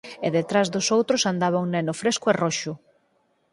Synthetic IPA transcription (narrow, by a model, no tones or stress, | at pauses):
eðet̪ɾazðʊsowt̪ɾʊsand̪aβoŋnɛnʊfɾeskʊɛroʃʊ